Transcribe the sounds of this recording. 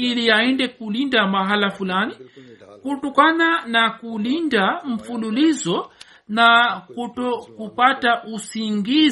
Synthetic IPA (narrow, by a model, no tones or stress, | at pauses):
ilijaɛndɛkulindamaɦalafulanikutɔkananakulindam̩fululizɔ | nakutɔkupataʔusiŋɡi